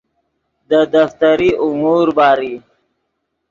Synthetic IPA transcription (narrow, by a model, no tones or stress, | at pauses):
d̪əd̪aft̪aɾiʔʊmuɾbɑːɾi